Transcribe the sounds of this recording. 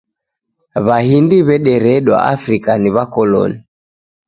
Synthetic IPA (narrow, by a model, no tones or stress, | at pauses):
βahindiβɛɗɛɾɛɗwa̰afɾikaniβakɔlɔ̰ni